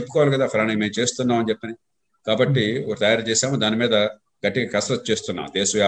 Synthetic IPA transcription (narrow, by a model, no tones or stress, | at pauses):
epːu̥kɔʋalukɐd̪aːpʰɐɾaːnimeːmt͡ʃe̞ːst̪unːaːmɐnt͡ʃepːɐnd̪i | kaːbɐʈːioɾt̪ɐjaːɾt͡ʃeːsaːmɐd̪aːnimiːd̪ɐ | ɡɐʈːiɡɐkɐsɾɐt̪̚t͡ʃeːst̪unːa̰ːmd̪eːsɐjaː